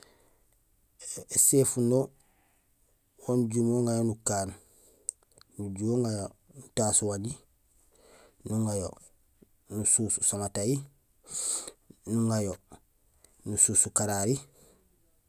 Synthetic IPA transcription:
eseːfuno | wonuɟumoŋɡajonukaːn | nuɟuoŋajonutaːsuwaɲi | nuŋajo̰ | nusuːsusamataji | nuŋajo | nusuːsukaɾaɾi

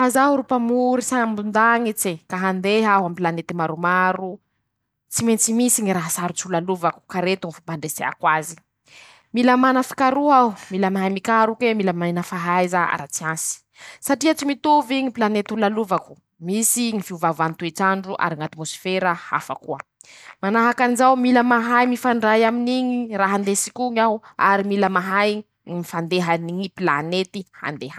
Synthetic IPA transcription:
fazaɦuɾupamuɾisaambund̪aŋit͡sekaɦand̪eɦaɦamipilanet̪imaɾumaɾu | t͡siment͡simisiŋiɾaɦasaɾut͡siulaluvaku̥kaɾet̪uŋifampaɳɖ͡ʐesea̰kwazi̥ | milamanəfi̥kaɾuaumilamaɦamikaɾukemilamainəfaɦajzaa̰ɾat͡siansi̥ | saʈ͡ʂiat͡simit̪uviɲipilanet̪ulaluvaku̥ | misiŋifiuvavuant̪ueʈ͡ʂaɳɖ͡ʐuʔa̰ɾiŋat̪imosi̥feɾəha̰fakuə | manaɦakanizawmiləmaɦajmifaɳɖ͡ʐajaminiɲiraɦand̪esikuŋawa̰ɾimiləmaɦaj | mifand̪eɦaniŋipilanet̪iha̰nd̪eɦa

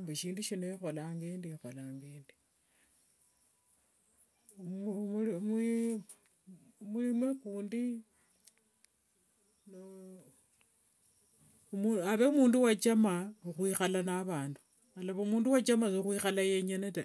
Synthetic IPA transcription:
mbeʃiːnduʃineixolaŋɡeːndixolaŋɡeːndi̥ | m | mwiimwekuːndi | no | maβeumuːnduwat͡ʃamauxwiːxalanaβaːndu̥ | alaβoumuːnduwat͡ʃamasuxwiːxalajeɲeneta

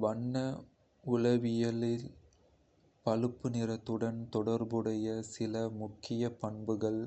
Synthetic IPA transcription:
ʋɐɳːɐ | ʊlɐʋɪjɐlɪl | pɐlɯpːɯnɪɾɐt̪ːɯɽɐnt̪ɔɽɐɾbɯɽɐjɐsɪlɐmʊkːɪjɐpɐɳbɯɣɐɭ

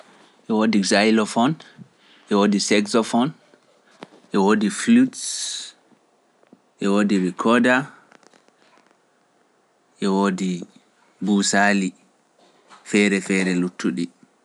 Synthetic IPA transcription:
ʔɛwoːdizajlɔfɔn | ʔɛwoːdisɛksɔfɔn | ʔɛwoːdifluts | ʔɛwoːdiɾɛkʰɔda | ʔɛwodi | busali | fɛɾɛfɛɾɛlutʰːuɗi

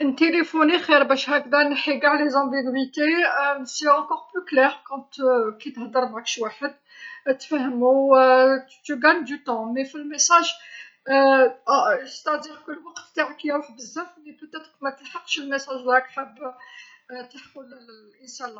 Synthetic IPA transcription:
ʔənt̪elefonixiɾbæʃhækd̪ænħiɡaʕlezɑ̃biɡwit̪eseɑ̃kɔʁplyklɛʁkɑ̃t̪kit̪hd̪əɾˤmʕakʃwaħəd̪ | t̪fæhəmu | t̪əɡæɲd̪yt̪ɑ̃mefilmesæʒ | st̪æd̪iʁkʊlːwɑqt̪t̪aʕkjæwaħbəzːæflit̪ut̪ːæt̪qmæt̪əlħəqːʃəlməsæʒwhækħəbː | t̪əħəlʔənsælːɑ

